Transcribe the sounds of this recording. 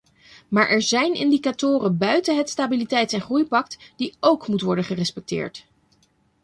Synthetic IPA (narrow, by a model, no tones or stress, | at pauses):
maːɹʔɛɹzɛjnɪ̰ndikatʊːrənbœɥtəɦətstaːbilitɛjtɛnχrujpɑk̚td̥iowkmutʋɔɹdəχərɛspɛk̚tɪ̰ːɹt